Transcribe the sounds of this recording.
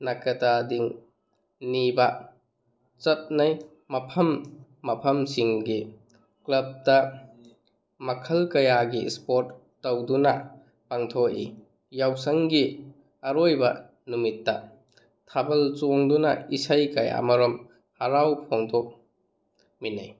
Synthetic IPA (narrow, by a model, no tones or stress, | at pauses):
nakɐtadiŋ | nibɐ | t͡ʃɐt̚naj | mɐpʰɐmː | ɐpʰɐmsiŋɡi | klɐb̚tɐ | mɐkʰɐlkɐjaɡispoɾtː | ɐwdunɐ | paŋtʰoʔḭ | jawsɐŋɡi | ɐɾojbɐ | numitːɐ | tʰabɐlt͡ʃoŋdunɐ̰isajkaja̰mɐɾɔm | hɐɾawpʰoŋdɔk̚ | minaj